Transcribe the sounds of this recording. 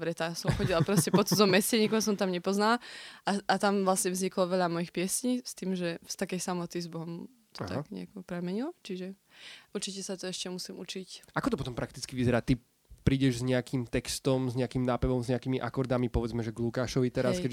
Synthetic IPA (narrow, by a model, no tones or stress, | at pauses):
bɾɛt̪asɔmxɔɟilapɾɔscɛpɔt͡suzɔmɛsɛɲikɔʊs̬ɔmt̪amɲɛpɔznalaaʔat̪amʋlasɲɛvzɲiklɔʋɛʎamɔjixpɪɛsɲiːst̪iːmʒɛst̪akɛjsamɔt̪izbɔɦɔm | t̪ɔt̪aakɲɛ̰akɔpɾɛmɛɲilˠɔt͡ʃiʒɛ | uɾt͡ʃicɛsat̪ɔɛʃcɛmusimut͡ʃicʔakɔt̪ɔpɔt̪ɔmpɾak̚t̪it͡skiʋizɛɾaːt̪i | pɾiːɟɛʒzɲɛakimt̪ɛkst̪ɔmzɲɛakimnaːpɛʋɔmzɲɛakiːmiʔa̰kɔɾd̪amipɔʋɛd͡zmɛʒɛɡlukaːʃɔʋit̪ɛɾaskkɛ